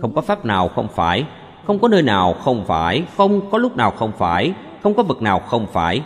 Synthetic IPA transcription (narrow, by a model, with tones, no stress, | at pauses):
xə˧wŋ͡mkɔ˨˦faː˦˥p̚naː˨˩wxə˧wŋ͡mfaː˧˩j | xə˧wŋ͡mkɔ˨˦nəː˧jnaː˨˩wxə˧wŋ͡mfaː˧˩jxə˧wŋ͡mkɔ˨˦lʊ˦˥k͡p̚naː˨˩wxə˧wŋ͡mfaː˧˩j | xə˧wŋ͡mkɔ˨˦vɨ˨˩k̚naː˨˩wxə˧wŋ͡mfaː˧˩j